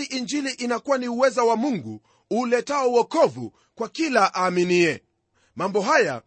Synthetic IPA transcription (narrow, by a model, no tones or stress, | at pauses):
iʔiɲd͡ʒiliʔinakuwaniuwɛzawamuŋɡu | uːlɛtaɔwɔkɔvṵ | kwakilaʔaːminiɛ | mambɔɦaja̰